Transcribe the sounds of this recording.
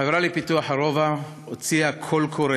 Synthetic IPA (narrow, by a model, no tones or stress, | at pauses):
avʁalipituaħaʁova | ot͡siakʰolkʰoɾe